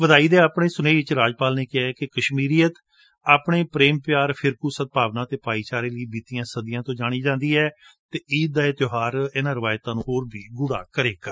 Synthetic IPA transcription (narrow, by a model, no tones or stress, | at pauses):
ʋəd̪aːiːd̪eːaːpɳeːsʊneːɪt͡ʃɾaːd͡ʒpaːlneːkɪɛːkɪkəʃmiːɾiːət̪ | aːpɳeːpɾeːmpɪjaːɾpʰɪɾkuːsət̪̚paːʋnãːt̪eːpaːiːt͡ʃaːɾeːləiːbiːt̪iːãːsəd̪ɪjãːt̪õːd͡ʒaːɽ̃iːd͡ʒãːnd̪iːɛːt̪eːiːd̪̚d̪aːet̪joɦaːɾɪnãːɾɪʋaːjt̪ãːnũːɦoːɾbʱiːɡʊɽa̰ːkəɾeːkəɾ